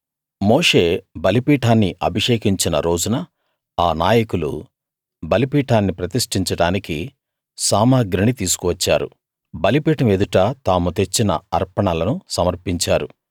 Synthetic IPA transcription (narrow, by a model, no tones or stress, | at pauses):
moːʂe̞ːbɐlipiːʈʰaːnːiʔɐ̰bʱiʂeːkiɲt͡ʃinɐ̰ɾo̞ːd͡ʒunɐ | aːnaːjɐkulṵ | bɐlipiːʈʰaːnːipɾɐt̪iʂʈiɲt͡ʃɐɽaːniki | saːmaːɡɾɐɳit̪iːsu̥kuʋɐt͡ʃːaːɾṵ | bɐlipiːʈɐmed̪uʈaːt̪aːmut̪e̞t͡ʃːinɐ̰ɐɾpɐɳɐlɐnusɐmɐɾpiɲt͡ʃaːɾu